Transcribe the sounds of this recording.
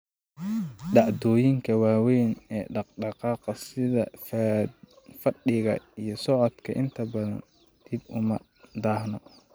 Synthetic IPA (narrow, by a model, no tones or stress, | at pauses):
ɖɑʕd̪ɔːjɪŋkʰɐwaːwɛjnɛːɖɑqɖɑqɑːqɐsɪðɐ̰ | fɐɖɪɣɐ̰ijɞsɔʕɔd̪kʰɐʔɪnt̪ʰɐbɐðɐ̰n | d̪̥ibʊmɐ | d̪aːhnɔ